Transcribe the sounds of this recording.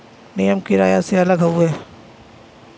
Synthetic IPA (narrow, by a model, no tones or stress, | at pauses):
nɪjəmkiɾa̰ːjaseɐləɡɦɐuɛː